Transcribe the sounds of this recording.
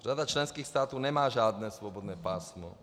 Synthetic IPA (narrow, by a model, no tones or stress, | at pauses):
rad̪at͡ʃlɛnskiːxst̪aːt̪ɔʊnɛmaːʒaːd̪nɛːsʋɔbɔd̪nɛːpaːsmɔ̰